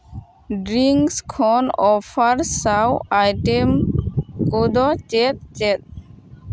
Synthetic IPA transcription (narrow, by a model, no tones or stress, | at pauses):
ɖɾiŋkskʰɔnɔfaɾsawajʈemkod̪ɔt͡ʃet̪̚t͡ʃet̪̚